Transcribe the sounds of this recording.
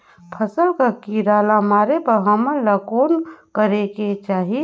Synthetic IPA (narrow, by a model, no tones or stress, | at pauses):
pʰəsəlkakiɾaːlamaːɾepəɦəməlakoːnkəɾeket͡ʃaːɦie